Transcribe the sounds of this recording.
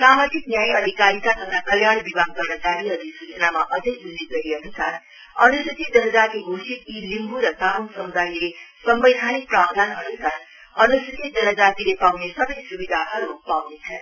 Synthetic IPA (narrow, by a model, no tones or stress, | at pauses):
samat̪ik̚njajʌd̪ikaɾik̪at̪ʰʌt̪ʰakʌljaɽbibaɡ̚t̪ʌnʌt͡saɾiɦʌd̪ʱisut͡sʌnamaʔʌd͡zʌ̃jbulːiɡʌɾiɦʌnusʰa | ʌnusut̪ʰid̪ʌnʌd͡zak̪iɡʱosit̪ilimbʱuɾʌt̪aɦunsʌmud̪ʱailesʌmbʌjd̪ʱanik̚prab̚d̪ʱanɦʌnusʰaɾ | ʌnusit̪id̪ʌɾʌd͡zat̪ilepawnesʌbʌjsubid̪ʱaɦʌɾupawnet͡sʰʌ